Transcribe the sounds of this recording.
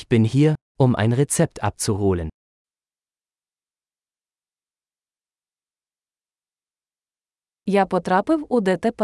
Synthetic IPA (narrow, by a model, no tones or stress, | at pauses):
b̥ɪnhiːɐ | ʔʊmʔa̰ɪnʁet͡sɛp̚tʰa̰p̚t͡suɦoːlən | japɔt̪ɾɑpɪwʊd̪ɛt̪ɛp